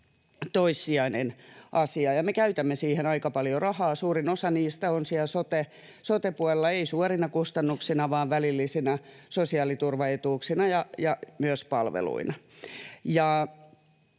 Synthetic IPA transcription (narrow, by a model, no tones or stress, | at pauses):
t̪oisːiɑinenʔɑsiɑjɑmekæyt̪æmːesiːhenɑikɑpɑljorɑhɑːsuːrinosɑniːst̪æonsiælsot̪e | sot̪epuɑlelːɑeisuɑrinɑkust̪ɑnːuksinɑʋɑːʋʋælilːisinæ | sosiɑːlit̪urʋɑet̪uːksinɑjɑjɑmyøspɑ̰lʋḛlṵinɑ | jɑˑ